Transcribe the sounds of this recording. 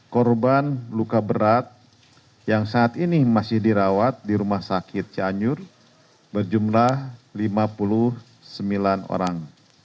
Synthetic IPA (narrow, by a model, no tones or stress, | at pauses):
kɔrbanlukabəɾat̪̚ | jaŋsaːt̪inimasɪhdiɾawat̪̚diɾumahsakɪt̪̚t͡ʃaɲʊr | bərd͡ʒumlahlimapulʊh | səmbilano̰ɾaŋ